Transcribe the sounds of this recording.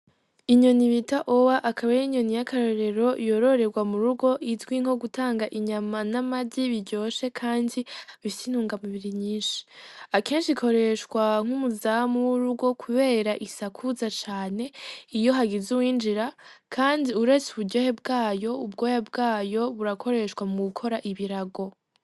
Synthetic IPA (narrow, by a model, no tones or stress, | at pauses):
iɲo̞niβitaʔowaʔakʰaβajiɲo̞nijakaɾo̞ɾe̞ɾo̞jo̞ɾo̞ɾe̞ɡwamuɾuɡo̞ʔizɡwiŋ̥ho̞ɡutaːŋɡaʔiɲamanamadiβiɾɟo̞ːʃe̞kʰaːndiβisin̥uːŋɡamuβiɾiɲiːnʃi̥ake̞ːnʃikʰo̞ɾe̞ʃwaŋ̥humuzamuwuɾuɡo̞kʰuβe̞ːɾaʔisakʰuzat͡ʃaːne̞ijo̞ɦaɡizuwiːnd͡ʒiɾa | kʰaːndiuɾe̞t͡suβuɟo̞ːhe̞bɡaːjo̞ubɡo̞jab̚ɡaːjo̞βuɾakʰo̞ɾe̞ʃkwamuɡukʰo̞ɾaʔiβiɾaɡo̞